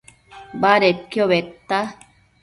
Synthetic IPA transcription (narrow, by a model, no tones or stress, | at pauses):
baɾekːjoβet̪ːa